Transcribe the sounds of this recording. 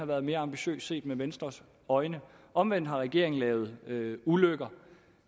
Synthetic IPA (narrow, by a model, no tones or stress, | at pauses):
ɑ̈ʋæːɐð̞̩ˠme̝ːɐɑ̈mb̥iɕø̰ːsse̝̰ːd̥meʋensd̥ʁɐs | ɒ̽ɪnə | ʔɒ̽mʋen̰d̥ɦɑ̈ʁɛɡ̥e̝ɐe̝ŋ̩lɛːʊð̞̩ˠøuløɡ̥ɐ